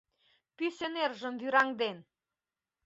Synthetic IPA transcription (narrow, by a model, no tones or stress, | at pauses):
pysenerʒə̆mvyɾɑŋd̪en